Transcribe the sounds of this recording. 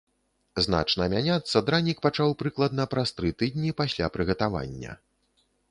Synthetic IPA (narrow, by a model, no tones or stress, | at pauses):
zna̰t͡ʂnɐmʲanʲat̪sːɐd̪ɾanʲik̚pat͡ʂawpɾɨklˠɐd̪nɐpɾast̪ɾɨt̪ɨd̪̚ʲnʲipasʲlʲa̰pɾɨɣɐt̪ava̰nʲːɐ̰